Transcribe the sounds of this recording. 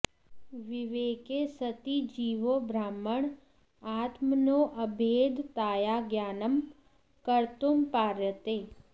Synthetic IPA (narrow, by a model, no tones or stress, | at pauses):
ʋɪʋeːkeːsɐt̪id͡ʒiːʋobɾaːməɳ | aːt̪mənoːʔɐbʱeːd̪t̪aːjaːɡjaːnəm | kɐɾt̪umpaːɾjət̪eː